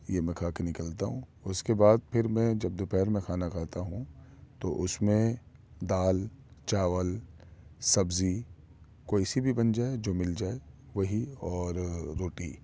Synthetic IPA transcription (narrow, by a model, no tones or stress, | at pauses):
jemɛ̃kʰaːkenɪkəlt̪aɦũːʊskebaːd̪̚pʰɪɾmɛ̃d͡ʒɐbd̪opɛːɾmẽkʰaːnakʰaːt̪aɦũt̪o̰ʔʊsmẽd̪aːlt͡ʃaːʋəl | sɐbzi | koːisibʱibɐnd͡ʒaːed͡ʒoːmɪld͡ʒaːeʋɐɦiɔːɾɾːoːʈḭ